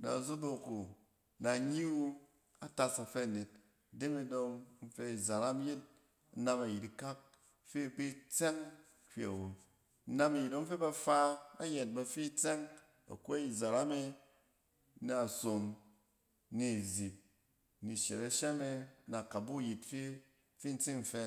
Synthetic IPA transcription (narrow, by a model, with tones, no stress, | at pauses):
na̰˨zo˦bo˧ko˨ | na˨ɲi˦wo˧ | a˨ta˧sa˨fe˦a˨ne˨t̚ | de˦me˧do˧ŋn̩˦fe˧˦i˨za˨ɾa˦m˦je˦t̚ | na˧ma˨ji˨ti˨ka˦p̚ | fe˦˨be˦t͡se˦ŋ | kʲʷḭ˨a̰˨wo˨˦ | na˧ma˨ji˨to˦m̩˦fe˦ba˧fa˧a̰˦je˨t̚ba˧fi˦t͡se˦ŋ | a̰˨ko˦i˨za˨ɾa˦me˧ | na˨so˨ŋ | ni˨zi˨p̚ | ni˨ʃe˨ɾa˦ʃe˦me˧na˨ka˨bu˦˨ji˨tfe˦ | fi˦n̩˦t͡si˦ŋ̩˨fe˧